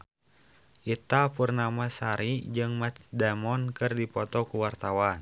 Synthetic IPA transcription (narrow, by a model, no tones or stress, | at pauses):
ʔit̪apurnamasaɾid͡ʒɨŋmat̪dɛmɔnkɨrdipɔt̪ɔkuwart̪awan